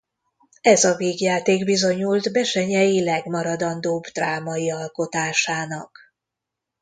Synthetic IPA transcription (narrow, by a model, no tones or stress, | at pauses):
ɛzɒveːɡjaːt̪eːɡbizo̞ɲult̪bɛʃɛɲɛjilɛɡmɒɾɒd̪ɒnd̪oːbd̪raːmɒjiɒlko̞t̪aːʃaːnɒk